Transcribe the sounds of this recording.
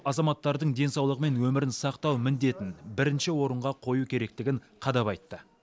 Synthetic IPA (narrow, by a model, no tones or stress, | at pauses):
ɑzɑmɑt̪ːɑɾd̪əɴd̪e̞nsɑwlˠəʁəme̞nwɵmɪɾɪnsɑqt̪ɑwmɪnd̪e̞t̪ɪnbɪɾɪnʃɪwo̞ɾəɴʁɑqʰo̞jukʲʰe̞ɾe̞k̚t̪ɪɡʲɪɴ | qʰɑd̪ɑpɑjt̪ːə